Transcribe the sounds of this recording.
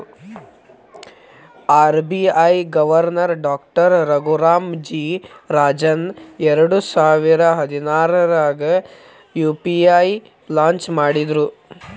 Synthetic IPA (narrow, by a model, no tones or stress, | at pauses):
aːɾbiɐjɡɐʋɐɾnɐɾɖaːkʈɐɾːɐɡuɾaːmd͡ʒiːɾaːd͡ʒɐnɛɾɐɽusaːʋiɾɐɦɐd̪inaːɾɐɾaːɡɐ | juːpiaj | laːɲt͡ʃmaːɽid̪ɾu